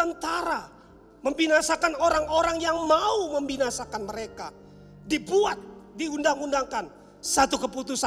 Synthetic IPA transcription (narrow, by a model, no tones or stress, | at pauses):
ənt̪aɾa | məmbinasakanoɾaŋoɾaŋjaŋmauməmbinasakanməɾeka̰ | dibuat̪̚diundaŋundaŋkan | sat̪ukəput̪usa